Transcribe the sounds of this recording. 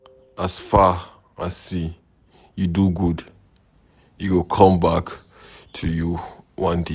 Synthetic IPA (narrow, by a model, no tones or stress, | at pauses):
əsfa | ḁsi | juduɡud | jiɡokʰɔ̃mbak | tʰujuwɔ̃nde